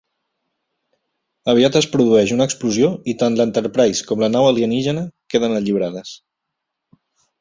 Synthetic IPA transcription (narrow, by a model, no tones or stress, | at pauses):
əβ̞iat̪əspɾuðuɛʃunəːkspluzioit̪anlənt̪əɾpɾajskɔmlənawəliəniʒənəkeðənəʎiβ̞ɾaðəs